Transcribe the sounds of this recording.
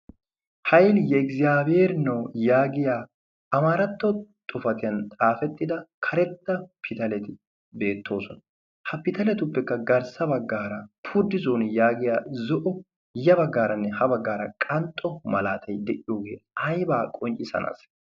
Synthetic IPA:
hɐjljɛkzɪaːbeːɾnɐwjaːɡɪjaː | ɐmaɾɐt̪ːɔt̪ʼʊfɐt̪ɪjɐnt̪ʼaːfɛt̪ːɪd̪ɐkʰɐɾɛt̪ːɐpʰɪt̪ɐlɛt̪ɪ | be̞ːt̪ʰːo̞ːsɔnɐ | hɐpɪt̪ɐlɛt̪ʊpːɛkːɐɡɐɾsɐbɐɡːaːɾɐpʰʊɾd̪ɪzoːnjaːɡɪjaːzɔʔɔ | jɐbɐɡːaːɾɐnːɛhɐbɐɡːaːɾɐkʼɐnt̪ʼːɔmɐlaːt̪ʰɐjd̪ɛʔɪjo̞ːɡe̞̰ːɐjbaːkʼɔnt͡ʃʼɪsɐ̰na̰s

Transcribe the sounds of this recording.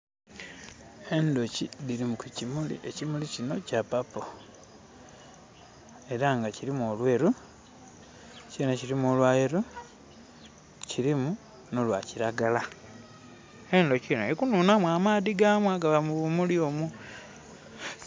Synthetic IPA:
e̞ndo̞ciðiɾimukucimulḭʔḛcimulicino̞capapo | e̞ɾaŋɡaciɾimuolwe̞ːɾu | cenaciɾimolwajeɾu | ciɾimu | nolwaciɾaɡala | e̞ndo̞cino̰ikunuːnamwamaːðiɡamwaɡaβamuβumuliomu

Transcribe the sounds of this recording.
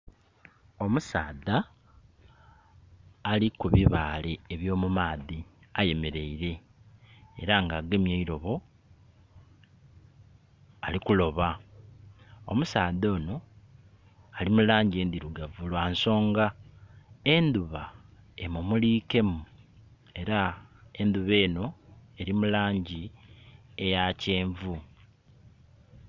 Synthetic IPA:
o̞musaːða | likuβiβaːle̞ːβjo̞ːmumaːði | aje̞me̞ɾe̞iɾe̞̰ː | ɾaŋɡaɡemjeiɾo̞βo̞ | alikulo̞βa | o̰musaːðo̞ːno̞ | alimulaːɲɟe̞ːnd̪iɾuɡavulwaːnso̞ːŋɡa | e̞nd̪uβa | e̞mumuliːke̞mu | e̞ɾae̞nd̪uβe̞ːno̞e̞ɾimulaːɲɟi | e̞jace̞ːɱvu

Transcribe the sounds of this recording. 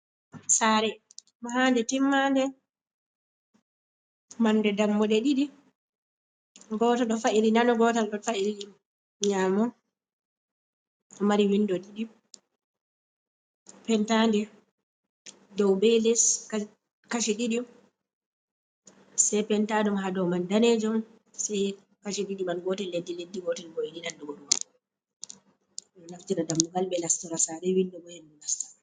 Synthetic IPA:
saːɾɛ | mɔɦaːndɛtimːandɛ | mandɛdamːɔɗɛɗiɗi | ɡɔːtɔɗɔfaʔilinanɔɡɔtanɗɔfailiɗim | ɲaːmɔ | ɔmaɾiwinːdɔɗiɗi | pɛntaːndɛ | dɔwbɛlɛs | kaʃiɗiɗim | sɛpɛntaːɗumɦadɔmandaned͡ʒum | sɛj | kaʃiɗiɗimanɡɔtɛlːedːiledːiɡɔtɛnɡɔjiniɗandɔɡɔɗumab | ɗɔnaftiɾadamːuɡalbɛlastɔɾasaɾɛwindɔbɔhɛnːulastḁ

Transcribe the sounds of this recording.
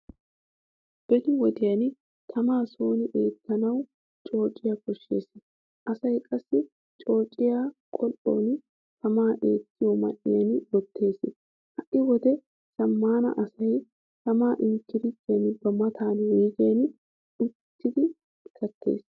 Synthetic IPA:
b̥ɛd̪ɪwɔd̪ɪjɐn | t̪ʰɐmaːso̞ːnɪʔeːt̪ːɐnɐw | t͡ʃʼo̞ːt͡ʃʼːɪjakɔʃːe̞̰ːsɪ | ʔɐsɐjkʼɐsːɪ | t͡ʃʼo̞ːt͡ʃʼɪjaːkʼɔlo̰ːn | t̪ʰɐmaːʔeːt̪ːɪjɔmɐ̰ʔɪjɐnwɔt̪ʰːe̞ːsɪ | hɐʔʔɪwɔd̪ɛ | sɐmːaːnɐ̰ʔɐsɐj | t̪ɐmaːʔɪŋkːɪɾɪt̪ːjɐnbɐmɐt̪ʰaːnwiːɡejɐn | ɪt̪ʰːɪd̪ɪ | ɪkʰːɐt̪ʰːe̞̰ːs

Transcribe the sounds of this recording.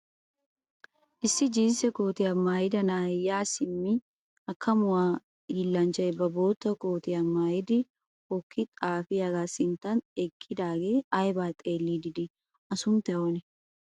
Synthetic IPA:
ʔɪsːɪd͡ʒiːnsɛkoːt̪ɪɐmːaːjɪd̪ɐnaːjaːsɪmːɪ | ɐkːɐmʊaː | jɪlːant͡ʃɐʔɛbɐboːt̪ːɐkoːt̪ɪɐmːaːjɪd̪ɪ | hɔkʰːɪt̪ʼaːfɪɐɡaːsɪnt̪ɐnekʰʼːɪd̪aːɡeːajbaːt̪ʼeːlːiːd̪ɪd̪ɪ | ʔɐsʊnt̪ɐʔonɪ

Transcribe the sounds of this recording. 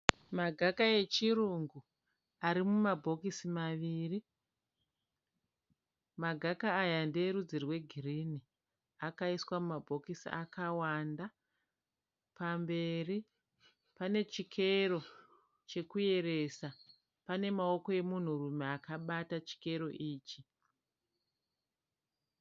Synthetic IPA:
maɡʱakaje̞t͡ʃiruŋɡu | aɾimumabʱo̞kisimaʋiːri | maɡʱakaːjandeɾud͡zirwe̞ɡʱirini | akaiswamumabʱo̞kisḭʔa̰kawanda | pambe̞ri | pane̞t͡ʃikʰe̞ɾo̞ | t͡ʃe̞kuje̞ɾe̞sa | pane̞mao̞ko̞je̞mun̤urume̞akaɓatat͡ʃi̥ke̞ɾo̞ʔiːt͡ʃi

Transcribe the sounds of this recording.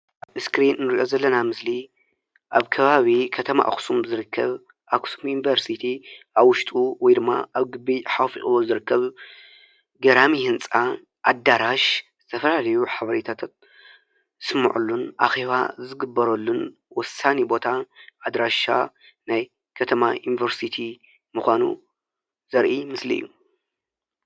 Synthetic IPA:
ʔaβɨskɾinːɨɾiʔo̞zɐlːɐnamɨsli | ʔaβkʰɐβaβikʰɐt̪ʰɐma̰ʔa̰xsumzɨɾɨkʰːɐβ | ʔakʰsumjunivɐɾsit̪ʰiʔaβwʊʃt̪ʼuwɔjd̪ɨmːa̰ʔaβɡɨbːiħafḭʔʼɨwozɨɾɨkːɐβ | ɡɐɾamihɨnt͡sʼa | ʔad̪aɾaʃzɨt̪ʰɐfɐlalɐjuħaβɐɾet̪ʰat̪ʰat̪̚ | ɨsmɐ̰ʕʔṵlːunʔa̰xe̞βa̰zɨɡɨbːɐɾolːun | wɔsanibo̞t̪ʰaʔːd̪ɾaʃa̰ | naj | kʰɐt̪ʰɐmajunivɐɾsit̪ʰi | mɨxʷanṵ | zɐɾʔimɨslḭḭjːu

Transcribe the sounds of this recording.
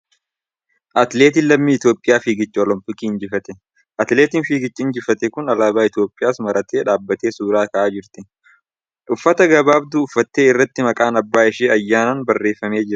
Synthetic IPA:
ʔɐt̪le̞ːt̪̬ɪlɐmmiːɪt̪jo̞ːpʼɪjaːfiːɡɪt͡ʃːɪɔlɔmpɪkʼiːɪnd͡ʒɪfɐt̪ɛ | ʔɐt̪leːt̪ɪnfiːɡɪt͡ʃːɪɪnd͡ʒɪfɐt̪ɛkʊnɐlaːbaːɪt̪jo̞ːpʼːɪjaːsmɐɾɐt̪e̞ːᶑaːbːɐt̪e̞ːsuːɾaːkɐʔaːd͡ʒɪɾt̪ɪ | ʔʊfːɐt̪ɐɡɐbaːbd̪uːʊfːɐt̪ːe̞ːɪrːɐt̪ːɪmɐkʼaːnɐbːaːɪʃeːɐjːaːnaːnbɐrːe̞ːfːɐme̞ːd͡ʒɪɾɐ

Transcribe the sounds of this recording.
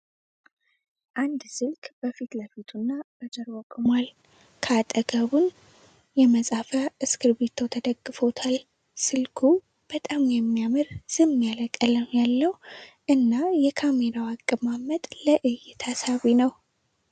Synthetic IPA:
ʔand̪sɨlkʼb̥əfit̪ləfit̪ʰunːabəzəɾwɔkʼɨmʷal | kʰat̪ʼəɡəβun | jɛməsʼafaʔɨskʰɨɾbet̪ʰːəwt̪ʰəd̪əɡːɨfo̞t̪ʰal | sɨlkʰu | b̥ət̪ʼamjɛmːijamɨɾz̥ɨmmjaləkʼːələmjalːəwʔɨnːajɛkʰameɾawakʼːɨbmamət̪ʼləʔɨjːɛt̪ʰasaβinəw

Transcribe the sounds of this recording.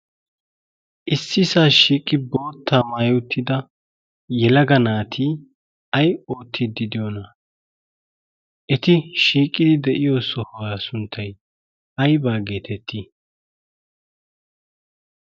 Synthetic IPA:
ʔɪsːɪsaːʃiːkʼːɪbo̞ːt̪ʰːaːmaːjot̪ːɪd̪ɐ | jɛlɐɡɐnaːt̪ʰiː | ɐjoːt̪ʰːɪd̪ːɪd̪ɪjonɐ | ʔɛt̪ɪʃiːkʼːɪd̪ɪd̪ɛʔɪjoːsɔhɔwaːsʊnt̪ʰːɐj | ɐjbaːɡe̞ːt̪ʰɛt̪ʰːi

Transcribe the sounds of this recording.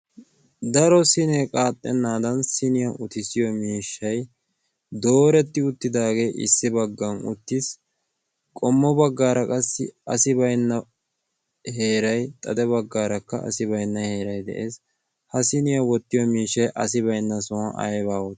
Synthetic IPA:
d̪ɐɾɔsɪnɛkʼaːt̪ʼːɛnːaːd̪ɐnsɪnɪjɐʔʊt̪ɪsɪjɔmiːʃːɐj | d̪o̞ːɾɛt̪ːɪʊt̪ːɪd̪aːɡe̞ːʔɪ̰sːɪbɐɡːɐnʊ̰t̪ːɪs | kʼɔmːɔbɐɡːaːɾɐkʼɐsːɪ̰ɐsɪbɐjnːɐ | he̞ːɾɐjt̪ʼɐd̪ɛbɐɡːaːɾɐkːɐɐ̰sɪbɐjnːɐhe̞ːɾɐjd̪ɛ̰ʔe̞ːs | hɐsɪnɪjɐwɔt̪ːɪjɔmiːʃːɐjʔɐsɪβɐjnːɐsɔwɐ̰jβaːwɔt̪ː

